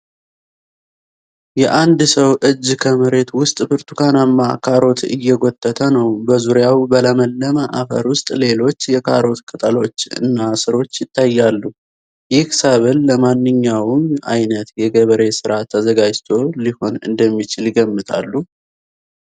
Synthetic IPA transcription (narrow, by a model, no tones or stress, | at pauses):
jɛʔand̪səwʔɨd͡ʒːkʰəməɾe̞t̪wʊst̪ʼbɨɾt̪ʰukʰanamːa̰kʰaɾo̞t̪ʰɨ̰jːɛɡot̪ʼːət̪ʰənəwbəzuɾjawbələməlːəməʔa̰fə̰ɾwʊst̪ʼle̞lo̞t͡ʃːjɛkʰaɾo̞t̪kʰʼɨt̪ʼəlo̞t͡ʃːɨ̰nːasɨɾo̞t͡ʃːjɪt̪ːajːalːu | jɪhkɨ̥saβɨlːəmanːɨɲːawɨma̰jnət̪jɛɡəβəɾe̞sɨɾat̪ʰːəzəɡad͡ʒt̪ʰo̞liho̞nɨ̰nd̪əmːit͡ʃɪljɪɡəmːɨt̪ʰa̰lːu